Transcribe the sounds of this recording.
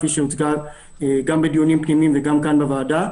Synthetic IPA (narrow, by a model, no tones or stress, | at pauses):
fiʃeut̪ɡa | ɡambedjonimpnimimveɡamkanbavaːda